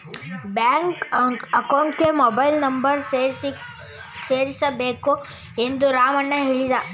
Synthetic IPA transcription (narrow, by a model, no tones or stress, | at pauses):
bjaːŋkɐkɐwɳʈkemɔbɐjlnɐmbɐɾe | seːɾisɐbeːku | e̞nd̪uɾaːmɐnːɐɦeɭid̪ɐ